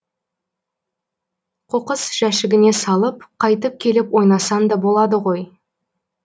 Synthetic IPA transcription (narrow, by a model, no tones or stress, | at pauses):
qʰoqəsʒ̥æʃɪɡʲɪne̞sɑlˠəpqʰɑjt̪̬əp̚kʲʰe̞lɪpwo̞jnɑsɑnd̪ɑbo̞lˠɑd̪əʁo̞j